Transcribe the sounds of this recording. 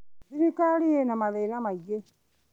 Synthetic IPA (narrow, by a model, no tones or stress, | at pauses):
siɾikalijenamaðenamaje